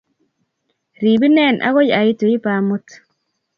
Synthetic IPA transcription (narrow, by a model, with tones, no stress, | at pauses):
ɾi˨bi˦nɛ˦˨nʔa̰˦ɣo˦ja˨ji˦to˨i˦pa˨mu˦t